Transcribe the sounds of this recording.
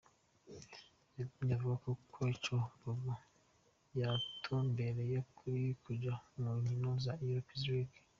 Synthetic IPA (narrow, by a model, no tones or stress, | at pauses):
ɲavuɡakokʰoit͡ʃoboɡu | jatʰombe̞ɾe̞jokʰuɾikʰuɟamuɲinozaiɾopizwik